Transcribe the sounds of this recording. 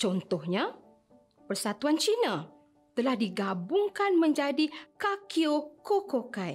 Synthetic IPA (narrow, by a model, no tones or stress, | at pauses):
t͡ʃɔnt̪ɔhɲa | pərsat̪uant͡ʃina | t̪əlahdiɡabʊŋkanmə̃ɲd͡ʒadikakiokokokaj